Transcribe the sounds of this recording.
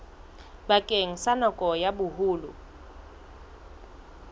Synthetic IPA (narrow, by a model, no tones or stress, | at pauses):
bakʼeŋ̩sanɔkʼɔjabʊhuːlʊ